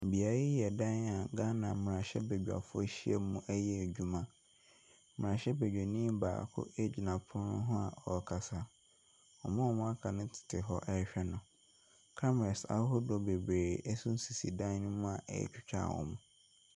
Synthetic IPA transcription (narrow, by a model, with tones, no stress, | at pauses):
m̩˨bi˨a˨ɾi˦jɛ˨dã˦n˦a˨˦ɡa˦nã˨m˨ɾã˨ɕɛ̰˦be˨d͡ʑᶣa̰˨fʊ˦e˦ɕi˦ɛ̰˦mũ˦ʔɛ˦jɛ˦e˨d͡ʑᶣu˨mã˦ | mɪ̃˨ɾã˨ɕɛ˦be˨d͡ʑᶣe˨nĩ˦ba̰ː˨kʰʊ̰˦ʔe˦d͡ʑi˨nã˨pʰʊ˦ɾʊ̃˦nʊ̰̃˦ɦʊ̃˦a̰˨ɔ˨kʰa˨sa˦ | ɔ˨mʊ̃˦ɔ˨mʊ̃˦a˦kʰa˨nʊ̃˦tʰɪ̥˨tʰɪ˨ɦɔ˦ʔɕᶣɛ˦nʊ̃˨ | kʰa˦m˨ɛ˨sa̰˨˦ɦʊ˦dɔ˨be˨bɾeː˨ʔɛ˦sʊ˦n̩˦si˨si˨dã˦n˦nʊ̃˦mʊ̃˦a˨ʔɛ̰˨t͡ɕᶣʊ˦t͡ɕᶣʰa̰˦˨wɔ̰˨mũ˦